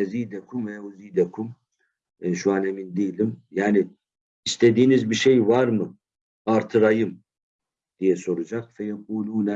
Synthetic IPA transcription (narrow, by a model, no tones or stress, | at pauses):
ɛziːd̪ɛkʰumɛuziːd̪ɛkʰum | ʃuaːnɛmind̪iːlimjaːni | ist̪ʰed̪iːnizbiʃejvaɾmɯ | aɾt̪ʰɯɾajɯm | d̪̥ijɛso̞ɾud͡ʒaqfɛjɛq̚uːluːnɛ